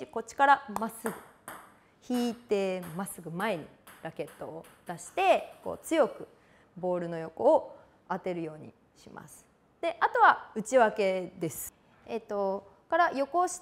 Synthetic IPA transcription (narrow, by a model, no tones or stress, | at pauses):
iko̞t͡ɕi̥kaɾamasɨɡɯ̟ | çiːt̪e̞masɨɡɯ̟mae̞ɲ̟ḭɾake̞t̪ːo̞ːd̪̥aɕi̥t̪e̞ko̞̰ːt͡sɨjo̞kɯ̟ | bo̞ːɾɯ̟no̞jo̞ko̞ː | at̪e̞ɾɯ̟jo̞ːɲ̟ḭ | ɕimʔa̰sɨ̥ | d̪̥e̞ʔat̪o̞βaɯ̟t͡ɕiβake̞d̪e̞sɨ̥ | et̪o̞ | kaɾajo̞ko̞ɕi̥